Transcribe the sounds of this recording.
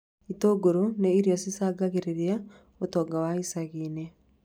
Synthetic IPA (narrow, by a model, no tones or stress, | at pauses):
itoɡoɾoneiɾijɔsisaɡaɣeɾeɾia | otoɡawaisaɣiːne